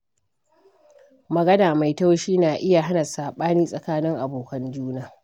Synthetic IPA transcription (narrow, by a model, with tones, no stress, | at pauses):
mɐ˨ɡɐ˦daː˨ma˨jta˦wʃiː˦naː˨ʔɪ˦ja˨ɦa˦nɐ˨saː˨ɓaː˦niː˦sʼɐ˨kaː˦nɪ˦ŋʔa˨boː˨kɐ˦nd͡ʒuː˦naː˨